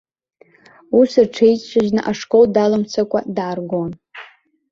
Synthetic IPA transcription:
usɨrʈ͡ʂʰejt͡sʼʂʷʰaʒnɨʔaʂkʼoldalɨmt͡sʷʰakʷʼadaːrɡon

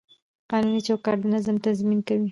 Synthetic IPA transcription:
qɑnunit͡ʃakɑʈnɪzəmt̪azminkawi

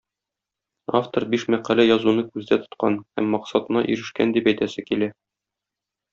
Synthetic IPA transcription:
aft̪oɾbiʃmæqælæjɒzunɤkʉzd̪æt̪ŏ̥t̪̚qɑ̰nhæ̰mːɒqsɑt̪ɤ̆nɑ̰ʔḭɾɘ̆ʃkænd̪ipæjt̪æsɘkilæ

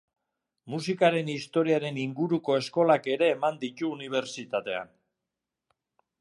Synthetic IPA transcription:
musikaɾe̞nist̪o̞ɾiaɾe̞niŋɡuɾuko̞e̞sko̞lake̞ɾe̞ːmand̪it̪uːniβ̞e̞ɾt͡sit̪at̪e̞a̰n

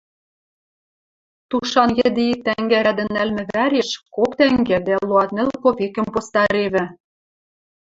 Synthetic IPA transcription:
t̪uʃɑnjɘ̆d̪it̪æŋɡæɾæd̪ɘ̆nːælmɘ̆βæɾeʃkokt̪æŋɡed̪æluɑt̪̚nɘ̆lkoβekɘ̆mpost̪ɑɾeβɘ̆

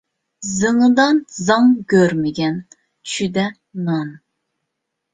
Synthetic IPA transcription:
zɨŋɨd̪ɑnzɑŋɡʲøɾmɪɡʲɛn | t͡ʃʰyd̪ɛ | nɑn

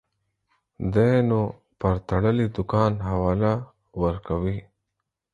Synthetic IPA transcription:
d̪enu | pəɾt̪ɐɽəlid̪ʊkɑːnɦawaːla | wəɾkawi

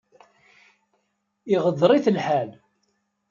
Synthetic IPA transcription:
iʁəðˤɾˤiθəlħæl

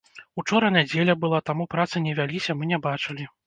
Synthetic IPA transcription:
ut͡ʂɔɾɐnʲad͡zʲelʲɐbɨlˠat̪amupɾat̪sɐnʲɛvʲalʲisʲɐmɨnʲɛbat͡ʂɨlʲi

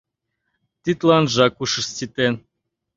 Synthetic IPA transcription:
t̪ʲit̪lˠɑnʒɑkuʃə̆st̪ʲit̪en

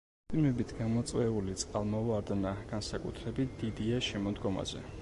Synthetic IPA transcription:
pʰʼilmɛbit̪ʰɡamɔt̪sʼwɛulit̪sʼqʼalˠmɔaɾd̪anaɡ̥ansakʼṵt̪ʰɾɛbit̪̚ʰd̪̥id̪iaʃɛmɔd̪ɡɔma̰zɛ̰

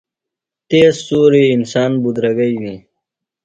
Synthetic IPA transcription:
t̪eːsːuːɾiɪnsɑːnbud̪ɾɐɡəiwi

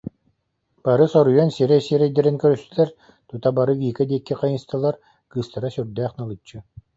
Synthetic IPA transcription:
b̥aɾɯsɔɾujansiɾɛsiɛɾɛjd̪ɛɾɛnkœɾyst̪ylɛɾ | t̪ut̪abaɾɯɡiːkad̪iɛkːiqajɯnst̪alˠaɾ | kɯːst̪aɾasyɾd̪æːχnalˠɯt͡ɕːɯ

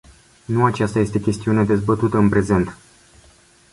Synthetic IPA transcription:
nuat͡ʃast̪aje̞st̪e̞kʲe̞st̪iuned̪e̞zbət̪ut̪əɨnpɾe̞ze̞nt̪

